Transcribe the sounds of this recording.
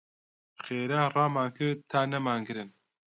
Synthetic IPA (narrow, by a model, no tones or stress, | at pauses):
xeːɾaːrɑːmaːŋkɨt̪ʰaːnɛmaːŋɡɨɾɨn